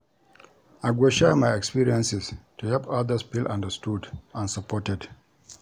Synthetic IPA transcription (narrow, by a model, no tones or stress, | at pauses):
aɡwɛʃamaɪɛkspiɹiɛ̃nsistuhɛlpaðəspilʔã̰ndəstudãnsəpɔtɛd